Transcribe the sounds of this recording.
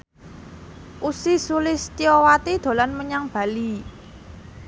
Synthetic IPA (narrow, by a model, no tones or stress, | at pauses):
ʔusisulɪst̪iɔwat̪id̪̥o̤lanməɲaŋb̥a̤li